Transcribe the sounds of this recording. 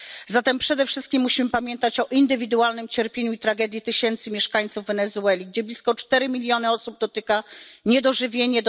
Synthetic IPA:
zat̪ɛmpʂɛd̪ɛfʂɘst̪̚kʲimːuɕimɘpamʲjɛnt̪at͡ɕɔʔind̪ɘvʲid̪ualnɘmt͡ɕɛɾpʲjeɲuit̪ɾaɡɛd̪ʲjit̪ɘɕɛnt̪sɘmʲjɛʂkaɲt̪suvːɛnɛzuɛlʲiɡd͡ʑɛblʲiskɔt͡ʂt̪ɛɾɘmʲilʲjɔnɘɔsub̚d̪ɔt̪ɘkaɲɛd̪ɔʐɘvʲjeɲɛd̪

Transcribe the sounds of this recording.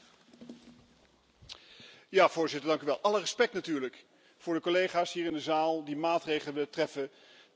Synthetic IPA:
jaːv̥ʊːɹzɪtəɹdɑŋkyʋɛlˠʔɑlərəspɛk̚tnatyːɹlək | v̥ʊːɹdəkolejχaːsɦiːɹɪndəzaːlˠdimaːtrejχələʋɪtrɛfə

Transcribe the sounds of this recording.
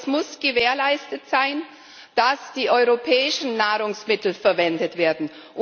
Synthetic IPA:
smʊsɡ̥əveːɐlaɪstətz̥aɪn | d̥asd̥iːʔɔʏʁopʰɛːɪʃn̩naːʁʊŋsmɪtl̩fɛɐvɛndətv̥eːɐdn̩ | ʔ

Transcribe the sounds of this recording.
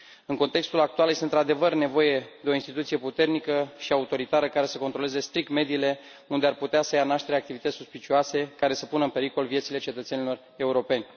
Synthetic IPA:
ɨŋko̞nt̪e̞kst̪ulakt̪ualjet̪eɨnt̪ɾad̪e̞vərne̞vo̞je̞d̪eo̞inst̪it̪ut̪sie̞put̪e̞rnikəʃiaut̪o̞ɾit̪aɾəkaɾe̞səkont̪ɾo̞leze̞st̪ɾik̚t̪me̞d̪ile̞ | und̪e̞arput̪easəjanaʃt̪e̞ɾe̞ak̚t̪ivit̪ət̪sʲsuspit͡ʃioase̞kaɾe̞səpunəɨmpe̞ɾiko̞lvije̞t̪sile̞t͡ʃe̞t̪ət̪se̞nilo̞r | e̞uɾo̞pe̞nʲ

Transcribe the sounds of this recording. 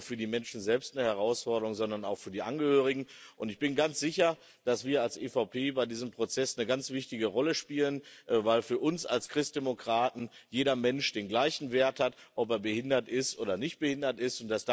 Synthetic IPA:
fyːɐdiːmɛnʃn̩zɛlpstnəhɛʁ̞aʊsfɔɐdəʁʊŋzɔndɐna̰ʊxfyːɐdiːʔanɡəhøːʁ̞ɪɡŋ̩ʔʊntɪçb̥ɪnɡant͡sz̥ɪçɐ | d̥asv̥iːɐalsʔefaʊpʰeːbaɪdiːzəmpʁ̥ot͡sɛsnəɡant͡sv̥ɪçtɪɡəʁɔləʃpiːlənʔvaɪlfyːɐʔʊnsa̰lskʁ̥ɪst̚d̥emokʁ̥aːtn̩jeːɾɐmɛnʃd̥eːnɡlaɪçn̩veːɐthatʔɔpeːɐbəhɪndɐtɪstʔoːdɐnɪçt̚b̥əhɪndɐtɪstʊnt̚d̥asd̥

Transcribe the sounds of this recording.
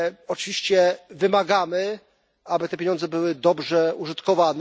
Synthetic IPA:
ɔt͡ʂɨvʲiɕt͡ɕɛvɘmaɡamɘ | abɘt̪ɛpʲjeɲɔnzɛbɘwɘd̪ɔbʐɛuʐɨt̪kɔvan

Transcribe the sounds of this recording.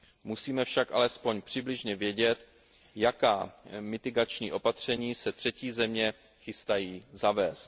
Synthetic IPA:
musiːmɛfʃakʔa̰lɛspo̞ɲpr̝̥ɪblɪʒɲɛvjɛɟɛt̪ | jakaːmɪt̪ɪɡat͡ʃɲḭːʔo̞pat̪r̝̥ɛɲiːsɛt̪r̝̥ɛciːzɛmɲɛ | xɪst̪ajiːzavɛːst̪

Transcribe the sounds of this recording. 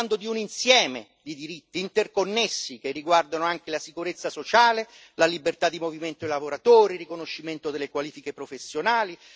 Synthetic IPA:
nd̪od̪iuninsjɛːme | d̪id̪iɾit̪ːiːnt̪erkonːesːik̟erːiɡward̪anoaŋk̟elasikuɾet̪sːasot͡ʃaːle | lalibert̪ad̪ːimoviment̪oelavoɾat̪oːɾirːikonoʃːiment̪od̪elːekwaliːfikepɾofesːjonaːli

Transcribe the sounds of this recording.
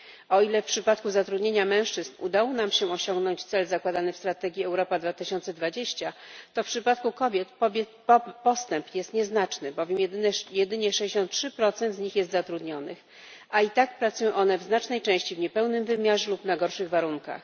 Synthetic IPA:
ɔilɛfpʂɘpat̪kuzat̪ɾud̪ɲeɲamɛ̃w̃ʂt͡ʂɘznud̪awɔnamɕɛɔɕɔ̃ŋɡnɔɲt͡ɕt̪sɛlzakwad̪anɘfst̪ɾat̪ɛɡʲjiɛwɾɔpad̪vat̪ɘɕɔnt̪sɛd̪vad͡ʑeɕt͡ɕat̪ɔfpʂɘpat̪kukɔbʲjɛt̪pɔbʲjɛt̪ | pɔst̪ɛmpjɛst̪ɲɛznat͡ʂnɘbɔvʲjɛmjɛd̪ɘnɛjɛd̪ɘɲɛʂɛd͡ʑeɕ̬ɔ̃nt̪̚tʂɘpɾɔt̪sɛnd̪zɲixjɛst̪zat̪ɾud̪ɲɔnɘx | ʔait̪ak̚pɾat̪sujɔ̃w̃ʔɔnɛvznat͡ʂnɛjt͡ʂɛ̃w̃ɕt͡ɕivɲɛpɛwnɘmvɘmʲjaʐɛlupnaɡɔɾʂɘɣvaɾunka̰x

